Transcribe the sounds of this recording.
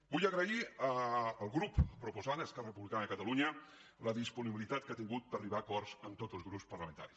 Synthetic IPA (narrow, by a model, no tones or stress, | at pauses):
bujəɣɾəiəəlˠɣɾuppɾupuzad̪əskɛrərəpuβlikanəəkət̪əluɲə | ləðispuniβilit̪at̪̚kat̪iŋɡut̪̚pəriβaːkɔrz̥ənt̪ozəlˠzɣɾupspərləmə̃nt̪a̰ɾis